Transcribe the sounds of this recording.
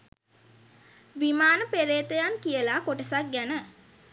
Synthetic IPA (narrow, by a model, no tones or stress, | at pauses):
ʋimaːnəpeɾeːt̪əjankijəlakoʈəsak̚ɡænə